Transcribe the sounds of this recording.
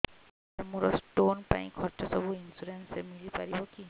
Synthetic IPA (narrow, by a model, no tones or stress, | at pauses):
amuɹɔstonpa̰ĩkʰɔtɔsɔbuinsuɾensɛmilipaɹibɔki